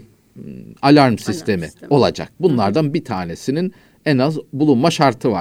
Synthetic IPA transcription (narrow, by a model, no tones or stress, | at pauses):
alʲaɾmsist̪ʰe̞mḭo̞lˠa̰d͡ʒa̰k̚bunlˠaɾd̪anbit̪ʰaːne̞sinin | ɛnazbulˠunmaʃaɾt̪ʰɯva̰